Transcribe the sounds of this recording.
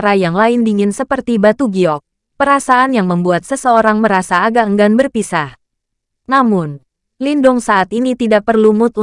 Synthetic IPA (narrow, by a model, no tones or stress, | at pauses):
ɾajaŋlaɪndiŋɪnsəpərt̪ibat̪uɡiɔk̚ | pəɾasaanjaŋməmbuat̪̚səsəoɾaŋməɾasaːɡaəŋɡanbərpisah | namʊn | lindɔŋsaʔat̪init̪idaʔpərlumʊt̪u